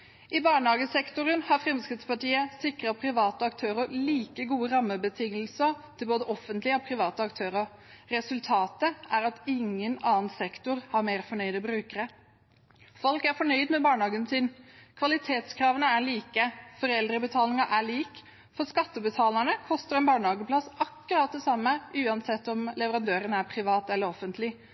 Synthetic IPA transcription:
ɪbɑːɳhɑːɡəsɛkt̪ʊɾənhɑfɾɛmskɾɪt̪spɑʈiːəsɪkɾəpʰɾɪʋɑːt̪əɑkt̪ʰøːɾəɭiːkəɡuːəɾɑmːəbət̪ʰɪŋːəlsət̪ʰɪlboːd̪əʔɔfənt̪lɪəopʰɾɪʋɑːt̪əɑkt̪ʰøːɾəɾɛsʉlt̪ʰɑːt̪əʔæɾɑt̪ɪŋːənɑːnsɛkt̪ʊɾhɑɾmeːɾfɔɳœʏd̪əbɾʉːkəɾə | fɔlkæɾfɔɳœʏd̪mɛbɑːɳhɑːɡənsɪnkʰʋɑlɪt̪ʰeːt̪skʰɾɑːʋənəæɭiːkəfɔɾɛld̪ɾəbət̪ʰɑːlɪŋəʔæɭiːk | fɔɾskɑt̪ːəbət̪ʰɑːləɳəkʰɔst̪əɾɛnbɑːɳhɑːɡəpʰlɑsɑkːʉɾɑːt̪̚d̪ɛsɑmːəʉːɑnsɛt̪ːɔmlɛʋəɾɑnd̪øːɾənəæɾpʰɾɪʋɑːt̪ɛlːəɾɔfənt̪ʰlɪ

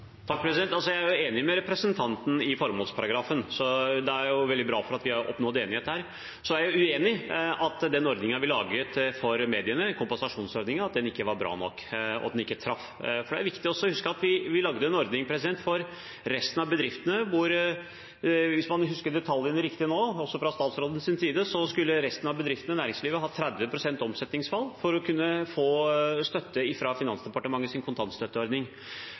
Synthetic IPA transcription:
t̪ʰɑk̚pʰɾɛsɪd̪ɛnt̪ɑlsɔjæɪæjʊeːnɪmɛɾɛpɾəsənt̪ʰɑnt̪n̩ɪfɔɾmuːlspʰɑɾɑɡɾɑːfənsɔd̪ɛæɾjʊʋɛlɪbɾɑːfɔɾɑt̪ʋɪɑʔɔ̰pnɔd̪eːnɪheːt̪ːhæːɾ | sɔæɾjʊʉeːnɪɑt̪ːd̪ɛnɔɾd̪nɪŋɑʋɪlɑːɡət̪fɔɾmeːd̪ɪənəkʰʊmpɑnsɑʂuːnsɔɾd̪nɪŋəɑt̪̚d̪ɛnɪkːəʋɑɾbɾɑ̰ːnɔ̰kːɔ̰t̪d̪ɛnɪkːət̪ʰɾɑf | fɔɖɛæɾʋɪkt̪ɪɔsːɔhʉskəɾɑt̪ʋɪʋɪlɑɡd̪əɛnɔɾd̪nɪŋpʰɾɛs̬ɪd̪ɛnt̪fɔɾː | ɛst̪nɑʋbəd̪ɾɪft̪ənəʋʊɾ | ʋɪsmɑnɦʉskəɾd̪ɛt̪ʰɑljənəɾɪkt̪ɪnoːɔsːɔfɾɑst̪ɑːt̪sɾoːd̪ən̩sɪnsiːd̪əsɔskʉlːəɾɛst̪ənɑʋbəd̪ɾɪft̪ənənæːɾɪŋsliːʋəɦɑːt̪ʰɾæd̪ʋəpʰɾʊsɛnt̪ɔmsɛt̪nɪŋsfɑlːfɔɾɔkʰʉnːəfoːst̪œt̪ːəɪfɾɑfɪnɑnsd̪ɛpɑʈəmɑŋːəsɪnkʰʊnt̪ʰɑnst̪œt̪ːəɔɾd̪nɪŋ

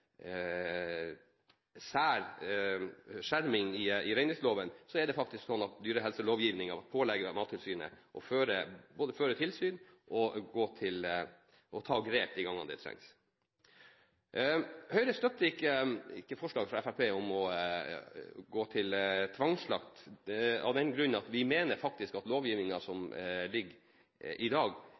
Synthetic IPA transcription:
sæːɾ | ʂæɾmɪŋɪɪɾɛɪnɪŋsloːʋənsɔɛd̪ɛfɑk̚t̪ɪsksɔnːɑt̪d̪yːɾəɦɛlsəloːʋjiːʋnɪŋɑ̰ʋɑt̪̚pʰoːlɛɡːəmɑːt̪ʰːɪlsyːnə̰ʔɔføːɾəboːd̪əføːɾət̪ʰɪlsyːn | ʔɔɡoːt̪ʰɪl | ʔɔt̪ʰɑːɡɾeːp̚d̪ɪɡɑŋːɑ̰nd̪ɛ̰t̪ʰɾɛ̰ŋs | hœʏɾəst̪œt̪ːəɪkːəɪkːəfɔʂɭɑːɡfɾɑɛfæɾpʰeːɔmɔ | ɡoːt̪ʰɪlt̪ʰʋɑŋsɭɑ̰kt̪ɑ̰ʋd̪ɛnɡɾʉnənɑt̪ʋɪmeːnəɾfɑk̚t̪ɪskɑt̪loːʋjiːʋnɪŋɑsɔmlɪɡː | ʔɪd̪ɑːɡ

